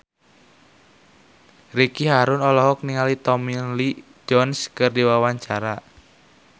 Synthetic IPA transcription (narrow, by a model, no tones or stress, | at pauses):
rikiɦaɾʊnɔlɔɦɔk̚niŋalit̪ɔminli | d͡ʒɔnskərdiwawaɲt͡ʃaɾa